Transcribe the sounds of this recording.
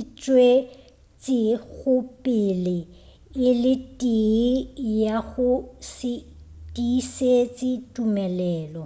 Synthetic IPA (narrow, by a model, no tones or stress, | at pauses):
t͡ʃʼwe | t͡sʼɪɣʊpʼɪlɪ | ɪlɪtʼijaɣʊsɪ | tʼiset͡sʼɪtʼumɛlɛːlɔ